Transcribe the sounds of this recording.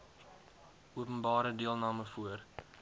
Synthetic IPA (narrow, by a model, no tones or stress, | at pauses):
ʔuəpənbɑːɾədiəlˠnɑːməfuər